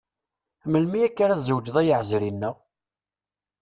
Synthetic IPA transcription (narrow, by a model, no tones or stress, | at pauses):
mːəlmijækːaɾæðzəwd͡ʒðˤæjəʕzɾinːəʁ